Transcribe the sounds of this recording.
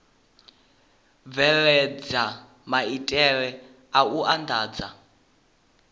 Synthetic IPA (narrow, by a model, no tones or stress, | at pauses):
vɛɺɛd͡za | maitʼɛɺɛ | auʔandʱaːd͡za